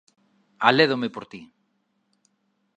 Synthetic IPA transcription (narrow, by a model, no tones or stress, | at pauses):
aleðomepoɾt̪i